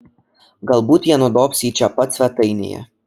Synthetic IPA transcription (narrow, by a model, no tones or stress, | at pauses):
ɡalˠbuːt̪janud̪ɔpsiːt͡ʃaːpat̪svʲæt̪ɨjnʲḭja̰